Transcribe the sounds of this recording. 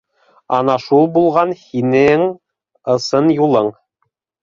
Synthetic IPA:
ɑnɑʃulˠbulˠʁɑnhinɘŋ | ɤ̆sɤnjulˠɤɴ

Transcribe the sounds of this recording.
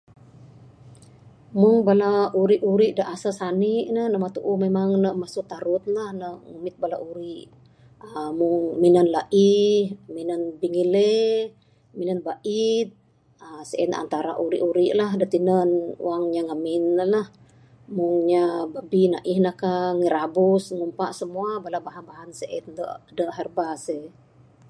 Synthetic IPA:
muŋbalauɾiʔuɾiʔdaʔasəsaniʔnənəmat̪uʔumemaŋnəʔmasuʔ̚t̪aɾut̪̚lahnəʔŋumiɪt̪̚bala̰ʔuɾiʔ | əmuŋminənlaʔihminənbiŋile | minənbaʔit̪̚ | əsəʔɛna̰nt̪aɾa̰ʔuɾiʔuɾiʔlaɦdət̪inənṵaŋɲaŋaminlah | muŋɲababinaʔihnəkaŋiɾabusŋumpaʔsəmuabalabaɦanbaɦansəʔɛ̰t̪̚də̰ʔdəʔɦərbase

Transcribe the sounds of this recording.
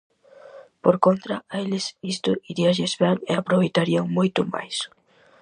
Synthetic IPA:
poɾkont̪ɾaelɪsist̪ʊʔiɾiaʒezβɛŋeapɾoβejt̪aɾiaŋmojt̪ʊma̰js

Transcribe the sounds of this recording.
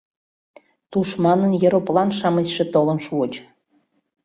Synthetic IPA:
t̪uʃmɑnənjɤɾoplɑnʃɑmət͡ɕʃĕt̪olənʃuot͡ɕ

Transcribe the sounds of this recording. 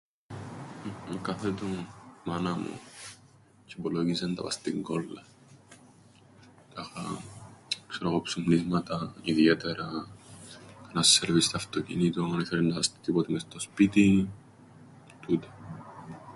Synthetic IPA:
mekɐθet̪omɐnɐmṵ | ceboloʝizent̪ɐ̰pɐ̰st̪iŋɡolːɐ | t̪ɐxɐ̰ | ksɾoɣopsumnizmɐt̪ɐiðiet̪eɾɐ | kɐnɐseɾvist̪ɐft̪ocḭnit̪uoŋɐneθeɾent̪ɐpɐst̪i̥t̪ipot̪imest̪ospit̪i | t̪ut̪e̥

